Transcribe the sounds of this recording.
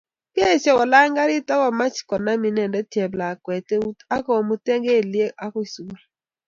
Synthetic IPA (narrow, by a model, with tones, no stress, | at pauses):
ke˦˨sɛ˦wɔ˨la˦ŋɡa˦ɾi˦ta˦wa˨ma˦t͡ʃi̥˨kɔ˨na˦mi˨nɛ˨ndɛ˦tjɛ˨bla˨kwɛ˨te˦u˦a˦kɔ˦˨mu˦tɛ˦ŋɡe˦˨li˦e˦ʔa˦kɔ˦i˨su˨˦l